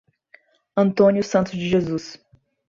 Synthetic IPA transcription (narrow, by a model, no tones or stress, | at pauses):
ɐ̃nt̪õnjʊsɐ̃nt̪ʊzd͡ʒɪʒezus